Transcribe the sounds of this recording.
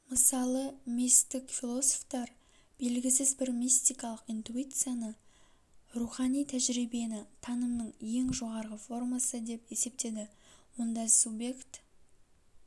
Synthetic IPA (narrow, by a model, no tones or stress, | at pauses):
məsɑlˠəmʲist̪ɪkfʲilˠo̞soft̪ɑɾ | b̥e̞lɡʲɪsɪzbɪɾmʲist̪ijkɑlˠəqijnt̪uit̪sɨjanə | ruχɑnijt̪ʰæʒɾibe̞nɪt̪ʰɑnəmnəɴje̞ŋʒo̞ʁɑɾʁəfo̞rmɑsəd̪e̞pe̞se̞p̚t̪e̞d̪ɪwo̞nd̪ɑsubje̞kt̪